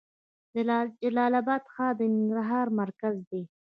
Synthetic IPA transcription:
d̪əd͡ʒalɑlabɑd̪xɑd̪ənɪŋɡɾaɦɑɾmaɾkazd̪e

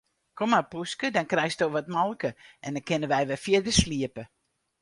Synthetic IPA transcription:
kʰomapuskədɔnkrɛjstdoʋɔtmɔlˠkəʔɛndɔnkɪnəʋɛjʋɛfjɪdəsliəpə

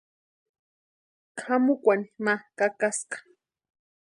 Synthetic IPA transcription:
kʰamʊkʷanimakakaskḁ

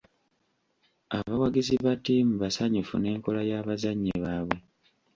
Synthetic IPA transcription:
a̰βawaɡiziβatimuβasaɲufṵne̞ːŋko̞lajaːβazaɲːeβaːβwe̞

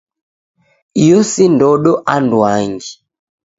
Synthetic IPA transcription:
ijɔsindɔɗɔʔandwaŋɡi

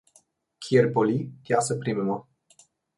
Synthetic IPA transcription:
kʰierbolit̪ʲjasəpɾimema

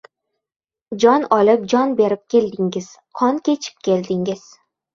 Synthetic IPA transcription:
d͡ʒɒnɒlɪp̚d͡ʒɒnbe̞ɾɪp̚kʲe̞ld̪ɪŋɪz̥ | qʰɒŋkʲʰe̞t͡ʃʰɪ̥p̚kʲʰe̞ld̪ɪŋɪz̥

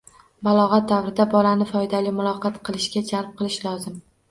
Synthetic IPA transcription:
balˠɒʁɑt̪̚d̪avɾɪd̪abɒlanɪfɒjd̪alɪjmʊlˠɒqʰɑt̪qʰɨlˠɪʃɡʲad͡ʒalp̚qʰɨlˠɪʃlɒzɪm

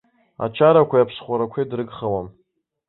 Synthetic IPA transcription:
a̰t͡ʃʰaɾakʷʰajapʰsχʷaɾakʷʰejdrɨɡχawam

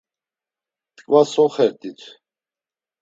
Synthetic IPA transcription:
t̪ʼkʼvasɔχɛɾt̪ʼit̪ʰ

